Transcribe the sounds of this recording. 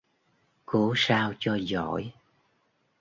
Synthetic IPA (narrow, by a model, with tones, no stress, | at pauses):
ko˨˦saː˧wt͡ɕɔ˧zɔ̰˧˩˨j